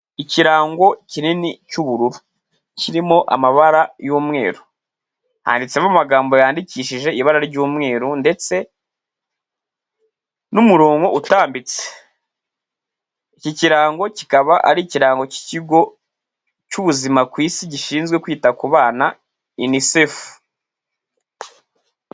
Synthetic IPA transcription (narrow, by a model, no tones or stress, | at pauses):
iciɾaːŋɡo̞cininicuβuɾuɾu | ciɾimo̞ʔa̰maβaɾajuːmŋe̞̰ːɾu | ha̰ndit͡semamaɡaːmbo̞jaːndiciʃiʒe̞iβaɾaɾiɾɟuːmŋe̞ːɾunde̞t͡se̞ | numuɾoːŋɡoʔutaːmbit͡se̥ | iciciɾaːŋɡo̞cikaβaʔa̰ɾiciɾaːŋɡo̞ci̥ciɡo̞ | cuβuzimakwiːsiɟiʃiːnzɡwe̞kwiːtakuβaːna | inisefu̥